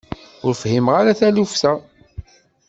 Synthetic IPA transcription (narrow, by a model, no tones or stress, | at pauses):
ʊɾfhimʁaɾaθælufθæ